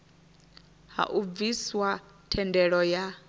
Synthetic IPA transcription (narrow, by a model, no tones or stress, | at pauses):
ɦa̰ʔuviswa | tʰɛndɛɺɔja